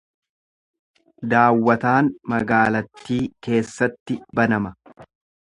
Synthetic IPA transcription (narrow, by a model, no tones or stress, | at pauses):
d̪aːwːɐt̪aːnmɐɡaːlɐt̪ːiːke̞ːsːɐt̪ːɪbɐnɐmɐ